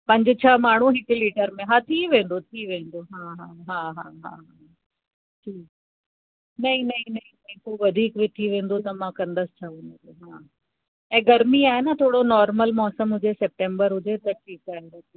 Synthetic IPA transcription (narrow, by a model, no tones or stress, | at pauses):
pɐ̃ɲd͡ʑɪt͡ɕʰamaːɳ̤ũɦɪkɪliːʈəɾmẽɦãːt̪ʰiʋẽːn̆d̪ot̪ʰiʋẽːn̆d̪oɦãːɦãːɦãːɦãːɦãːɦaː | ʈʰiːk̚ | nɐɦĩnɐĩnɐɦĩnɐɦĩkoːʋɐd̪ʱiːkʋɪt̪ʰiʋẽːnd̪ot̪ɐmãkɐ̃nd̪əsɪ̥t͡ɕʰaʋẽːnd̪oɦãː | ɛ̃ːɡɐɾmiaːɦenat̪ʰoːɽonɔːɾməlmɔːsəmɦʊd͡ʑesɛp̚ʈẽːmbəɾɦʊd͡ʑet̪ɐʈʰiːkaːɦeot̪i